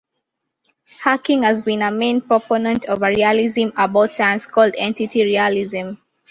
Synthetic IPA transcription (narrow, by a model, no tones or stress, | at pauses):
hakɪ̃ŋhazbĩnəmẽnpɹ̥ɔponə̃ntʰɔvəɹializə̃mabaʊtsãɪ̃nskɔldɛ̰̃ntitʰiɹiəlizə̃m